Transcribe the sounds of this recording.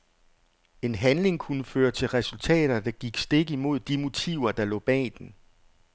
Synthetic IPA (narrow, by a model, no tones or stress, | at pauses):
e̝nɦænle̝ŋkʰunəføːɐt͡sʰe̝lʁɛsult͡sʰɛ̰ːɾ̥ɐd̥ɑ̈ɡ̥iɡ̥sd̥e̝ɡ̥əimo̝ð̞̰ˠd̥imo̝t͡sʰiʊ̰ɐd̥ɑ̈lɔ̰̽ːb̥ɛ̰ːd̥en